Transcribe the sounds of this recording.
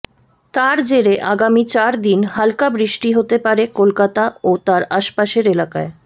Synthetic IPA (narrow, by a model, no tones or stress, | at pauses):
t̪aɾd͡ʑeɾeʔaɡamit͡ɕaɾd̪inhalkabɾiʃʈiɦot̪epaɾekolkat̪aot̪aɾaʃpaʃeɾelaka̰e